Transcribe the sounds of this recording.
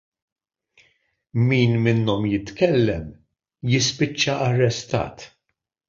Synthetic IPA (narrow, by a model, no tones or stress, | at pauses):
miːnmɪnːɔmjɪt̪kɛlːɛm | jɪspɪt͡ʃːɐʔɐrːɛst̪ɐ̰ːt̪